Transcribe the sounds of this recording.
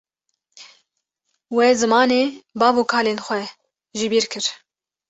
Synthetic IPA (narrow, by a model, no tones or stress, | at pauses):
wɛzɨmɑːneːbɑːbokʰaːleːnxʷɛ | ʒibiːɾkʰɨɾ